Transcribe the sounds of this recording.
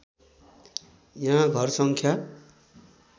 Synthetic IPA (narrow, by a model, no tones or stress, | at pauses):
jɦãɡʱʌrsʌŋkʰja